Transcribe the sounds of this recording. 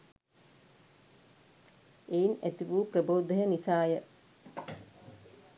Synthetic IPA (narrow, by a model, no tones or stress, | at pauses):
einæt̪iʋuːprəboːd̪ɐɦənisaːjə